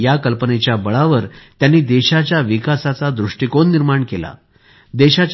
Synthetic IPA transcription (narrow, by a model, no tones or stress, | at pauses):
jakəlpənet͡ɕjabəɭaʋəɾt̪janːiːd̪eɕat͡ɕjaʋikasat͡sad̪ɾuʂʈikonːiɾmaɳkela̰ | d̪eɕat͡ɕ